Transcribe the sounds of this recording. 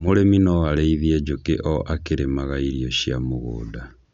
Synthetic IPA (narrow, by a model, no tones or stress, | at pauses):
moɾeminɔaɾeiðiɛd͡ʒokeʔɔʔakeɾemaɣaiɾiɔɕiamoɣo̰ːda